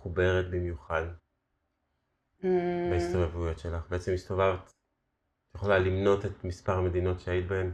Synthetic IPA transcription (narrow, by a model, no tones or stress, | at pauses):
χube̞ʁet̪̚bimjuχad | maist̪ovevujo̞tʃe̞laχbeet͡se̞mist̪ovavt̪ | tjeχolalimno̞te̞t̪mispaʁhame̞d̪ino̞tʃeajit̪̚bahem